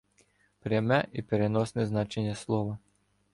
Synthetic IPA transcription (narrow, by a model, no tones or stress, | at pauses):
pɾʲamɛʔipeɾenɔsnɪznɑt͡ʃenʲːɐslˠɔʋɐ